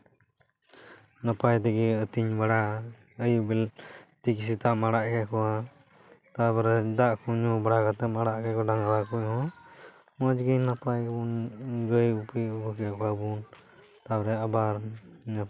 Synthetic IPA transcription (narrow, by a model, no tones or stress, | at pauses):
napajt̪ɛɡiət̪iɲbaɽa | əjubɛlt̪ikisit̪aʔmaɽaʔkɛkɔwa | t̪abɾɛd̪aʔkɔɲubaɽakat̪ɛmaɽaʔkɛkɔɖaŋɾakujhɔ̃ | mɔd͡ʒɡəjnapajbunɡəjupiubəkɛkɔabun | t̪abɾɛabaɾɲa